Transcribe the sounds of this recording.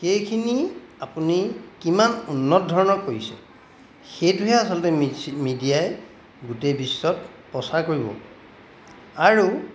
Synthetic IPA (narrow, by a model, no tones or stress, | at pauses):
xejkʰiniapunikimanunːɔtɔdʱɔɹɔnɔkoisɛ̰ | xejtʊɦɛasɔlɔtɛmidijaj | ɡutejbisːɔt̚ | pɹɔsaɹkoɹibɔ̰ | aɹu